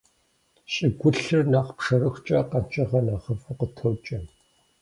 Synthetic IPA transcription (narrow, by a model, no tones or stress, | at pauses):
ɕʼɪɡʷʊɬɨrnaːqpʂɐrɨxʷt͡ʃʼɐqɐnt͡ʃʼɐʁɐnaːχɐfɐqətʰɐwt͡ʃʼɐ